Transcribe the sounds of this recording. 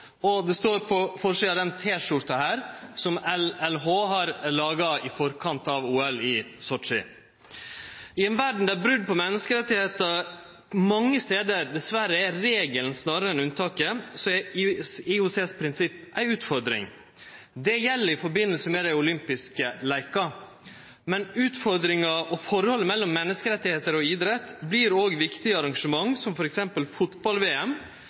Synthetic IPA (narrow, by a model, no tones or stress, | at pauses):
ɔd̪ɛst̪oːɾpʰɔfɔɾʂiɑd̪ɛnt̪ʰeːʂʊɾt̪ɑhæːɾsɔmɛlɛlɦoːɦɑɾlɑːɡɑɪfɔɾkʰɑnt̪ɑʋuːɛlɪsɔʈʂɪ̰ | ɪɛnʋæɖɳ̩d̪æɾbɾʉd̪̚ːpʰɔmɛnːəskəɾɛt̪ːɪheːt̪ə | mɑŋːəst̪eːd̪əɾd̪ɛsʋæɾəæɾeːɡəlnsnɑɾəɛnʉnt̪ʰɑːkəsɔɛ | ɪʊseːspʰɾɪnsɪpːʔæɪʉːt̪fɔɾd̪ɾɪ̰ŋ | d̪ɛjɛlːəɾɪfɔɾbɪnːəlsəmɛd̪æɪʊlʏmpɪskəlæɪkɑ | mɛnʉːt̪fɔɾd̪ɾɪŋɑʔɔfɔɾəhɔlːəmɛlːɔmːɛnːəskəɾɛt̪ːɪheːt̪əɾɔid̪ɾɛt̪bliɾoːɡʋɪkt̪ɪəɑɾɑŋʂəmɑŋsɔmfɔɾɛksɛmpəlfʊt̪bɑlʋeːɛm